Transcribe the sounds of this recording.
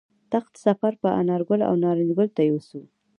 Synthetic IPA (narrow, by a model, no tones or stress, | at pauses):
t̪axt̪safaɾpəʔa̰nɑɾɡʊla̰wnɑɾind̪ɡʊlt̪ajewusu